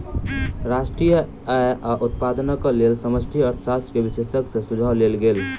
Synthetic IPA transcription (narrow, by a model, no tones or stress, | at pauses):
ɾaʃʈɾijə | ajʔaʔut̪̚paːd̪ənəkəlelsəməsʈʰijəɾt̪ʰsast̪kebisesəksẽsud͡ʒʱəlelɡeːl